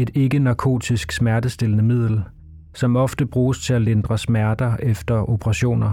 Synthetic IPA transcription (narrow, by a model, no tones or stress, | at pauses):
e̝d̥e̝ɡ̥ənɑ̈kʰo̝̰ːt͡sʰisɡ̥smæɐd̥əsd̥e̝lənəmið̰ˠl̩ | sɒ̽mɒ̽fd̥əb̥ʁuːst͡sʰe̝æle̝nd̥ʁɐsmæɐd̥ɐʔefd̥ɐʔo̝pʰəʁɑ̈ɕo̝̰ːnɐ